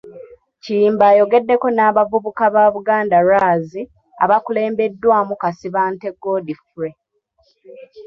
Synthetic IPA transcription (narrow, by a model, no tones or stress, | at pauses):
ciːmbaːjo̞ɡe̞dːe̞ko̞naːβavuβukaβaːβuɡaːndaɾaːzi | a̰βakule̞ːmbe̞dːwaːmukasiβaːnte̞ɡo̞difuɾe